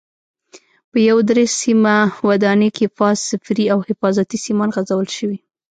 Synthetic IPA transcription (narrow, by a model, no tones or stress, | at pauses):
pəjawd̪ɾesimawad̪ɑnekefɑzsɪfɾiawhɪfɑzat̪isimɑnɣazawəlʃəwi